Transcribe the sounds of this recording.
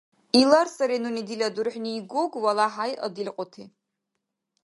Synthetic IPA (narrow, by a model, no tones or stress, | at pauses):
ilarsaɾenunidilʲadurħʷᶣniːɡoɡwalaħajʔa̰dilʲqʷʼʊtʰe